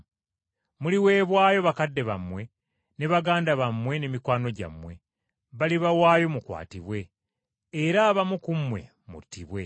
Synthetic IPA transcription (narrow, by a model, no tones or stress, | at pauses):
muliwe̞ːβwaːjo̞βakadːe̞βamwe̞ | ne̞βaɡaːndaβamwe̞ne̞mikwaːno̞ɟa̰mːwe̞ | βaliβawaːjo̞mukwa̰ːtiβwe̞ː | ɾaːβamukumwe̞̰ | mṵtːiβwe̞